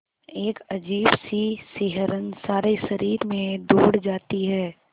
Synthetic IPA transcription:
eːkɐd͡ʒiːbsisɪɦəɾənsaːɾeʃɐɾiːɾmẽd̪oːɽd͡ʒaːt̪iɦɛː

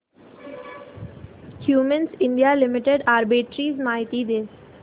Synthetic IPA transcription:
hjuːmə̃nsɪ̃ɳɖijalɪmɪʈeɖaːɾbɪʈɾiːzmaːɦɪt̪id̪eː

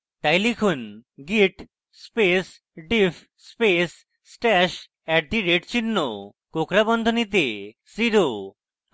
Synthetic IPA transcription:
t̪ajlikʰunɡiʈ | spes | ɖifʰ | spes | sʈɛʃ | ɛk̚d̪ʱiɾeʈt͡ɕinːo | kokɾabɔnd̪ʱonit̪e | siɾo

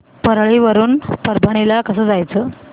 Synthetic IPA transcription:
pəɾɭiʋəɾuːnpəɾbʱəɳ̃ilakəsəːd͡zajt͡səː

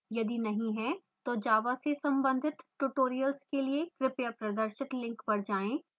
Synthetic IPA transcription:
jɐd̪inɐɦĩɦɛ̃ | t̪oːd͡ʒaːʋasesɐ̃mbə̃nd̪ʱɪt̪ʈuʈoːɾijəlskeliekɾɪpjapɾɐd̪əɾʃɪt̪lɪ̃ŋkbɐɾd͡ʒaːẽː

